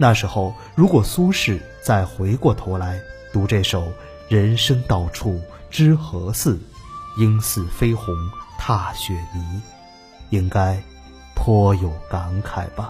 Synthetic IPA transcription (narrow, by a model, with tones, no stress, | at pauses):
na˥˩ʂɻ̩˧˥xo˥˩ʊ | ɻu˧˥kwɔ˨˩su˥ʂɻ̩˥˩ | t͡sa˥˩ɪxwe˧˥ɪkwɔ˥˩t̪ʰo˧˥ʊla˧˥ɪt̪u˧˥ʈ͡ʂe˥˩ʂo˨˩ʊ | ɻə˧˥nʂɤ˥ŋt̪ɑ˥˩ʊʈ͡ʂʰu˥˩ʈ͡ʂɻ̩˥xɤ˧˥sɹ̩˥˩i˥ŋsɹ̩˥˩fe˥ɪxʊ˧˥ŋt̪ʰa˥˩ɕɥɛ˨˩mi˧˥ | i˥ŋka˥ɪ | pʰɔ˥jo˨˩ʊka˧˥ŋkʰa˨˩ɪb̥ɐ˦